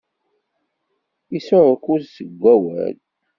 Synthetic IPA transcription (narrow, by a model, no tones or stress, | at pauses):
isʊɾkuzsəɡʷːæwæ̰l